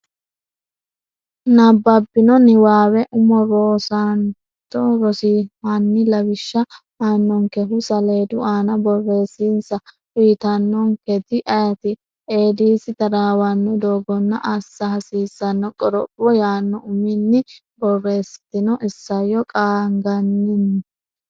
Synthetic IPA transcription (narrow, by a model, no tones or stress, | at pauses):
nɐbːɐbːɪnɔnɪwaːwɛʔʊmɔɾoːsɐn | t̪ɔɾɔsihɐnːɪlɐwɪʃːɐ | aːnːɔŋkɛɦʊsɐle̞ːd̪ʊʔaːnɐbɔrːe̞ːsinsɐ | fiːt̪ɐnːɔŋkɛd̪ɪʔɐjɐt̪ɪ | eːd̪iːsɪt̪ɐɾaːwɐnːɔd̪oːɡɔnːɐ̰ʔɐsːɐhɐsiːsːɐnːɔkʼɔɾɔpːɔjaːnːɔʊmɪnːɪ | bɔrːe̞ːst̪ːɪnɔʔɪsːɐjɔkʼaːŋɡɐnːɪnːɪ